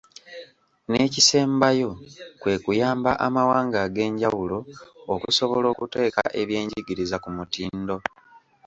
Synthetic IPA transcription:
ne̞ːcise̞ːmbajo̞kwe̞ːkujaːmbaʔamawaːŋɡaɡe̞ːɲɟawulo̞ːkuso̞βo̞lo̞ːkute̞ːka̰ʔe̞βje̞ːɲɟiɡiɾizakumutiːndo̞

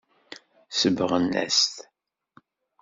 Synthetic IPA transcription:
səbəʁənːæ̰st̪

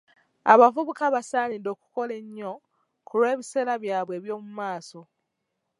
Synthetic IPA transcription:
a̰βavuβukaβasaːnido̞ːku̥ko̞le̞ɲːo̞ | kʰulwe̞ːβise̞ːlaβjaːβwe̞ːβjo̞ːmumaːso̞

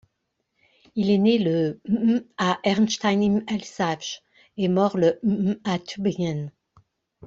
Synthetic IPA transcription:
ilenelə | aʔɛʁnʃt̪ajnimɛlsavʒ | emɔʁləat̪ʰybjan

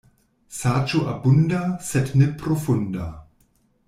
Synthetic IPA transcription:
sat͡ʃuʔabundasɛtnepɾofunda

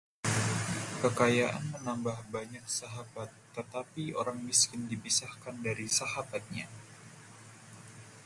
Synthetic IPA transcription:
kəkajaʔa̰nmənambahbaɲak̚saɦabat̪ːət̪apio̰ɾaŋmiskɪndipisahkandaɾisahabat̪̚ɲa

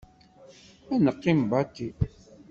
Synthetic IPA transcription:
ænəqːimbɑt̪i

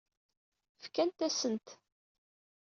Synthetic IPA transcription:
fkænt̪æsənt̪

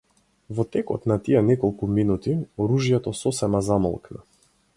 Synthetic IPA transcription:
vɔt̪ɛkɔt̪nat̪ijɛnɛkɔlˠkuminut̪iɔɾuʒijɛt̪ɔsɔsɛmazamɔ̰lˠkna̰

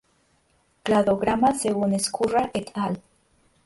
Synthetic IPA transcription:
klaðoɣɾamaseɣuneskʰuraʔet̪ʼal

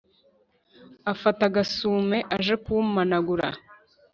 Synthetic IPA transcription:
afataɡasuːme̞ʔaʒe̞kumanaɡuɾa̰

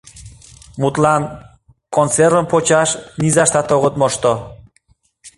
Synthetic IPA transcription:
mut̪lɑn | kont͡seɾəmpot͡ɕɑʃnizɑʃt̪ɑt̪oɣə̆t̪moʃt̪o

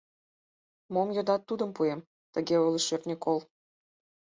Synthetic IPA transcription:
momjod̪ɑt̪ːud̪əmpuem | t̪əɡeoliʃørt̪nʲikolˠ

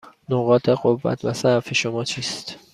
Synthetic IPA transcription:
noɣɒːt̪ʰeɢovːæ̰t̪ʰvæsæfeʃomɒːt͡ʃʰiːst̪

